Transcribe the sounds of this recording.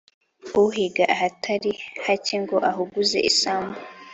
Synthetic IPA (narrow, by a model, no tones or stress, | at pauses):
uɦiɡaʔaɦatʰaɾihaciŋɡoʔaɦuɡuze̞̰ʔisaːmbo